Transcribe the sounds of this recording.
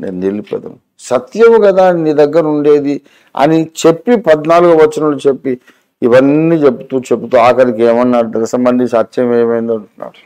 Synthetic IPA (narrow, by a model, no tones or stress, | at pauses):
neːnnelipɐ̰d̪ɐ̰m | sɐt̪jɐmukɐd̪aːniːd̪ɐɡːɐɾɐuɳɖe̞ːd̪i | ɐ̰nit͡ʃepːipɐd̪naːluɡuʋɐt͡ʃːɐnɐlut͡ʃe̞pːiː | ʋɐnːiːt͡ʃepːut̪ut͡ʃepːut̪uaːkɐɾikeːmɐnːaːɽud̪ɐnɐsɐmbɐnd̪iɲt͡ʃat̪ːʃɐmeːɐmɐjind̪ɐɳʈunːa̰ːɾu